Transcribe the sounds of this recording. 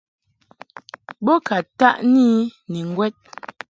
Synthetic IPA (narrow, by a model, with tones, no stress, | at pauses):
bɔ˦ka˨ta˦ʔni˦nɛ˨ŋ˦ɡwɛ˦t̚